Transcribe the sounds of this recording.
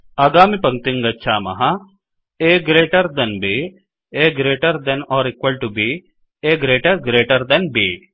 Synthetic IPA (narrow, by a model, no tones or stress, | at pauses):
ɐːɡaːmipɐŋ̚t̪ɪŋɡɐtːt͡ʃʰaːmɐ̰ɦa | eːɡɾeːʈɐɾd̪ɐnbeː | eːɡɾeːʈɐɾd̪ɐnɔːɾɪkwəlʈubiː | eːɡɾeːʈɐɾɡɾeːʈɐɾd̪ɐnbeː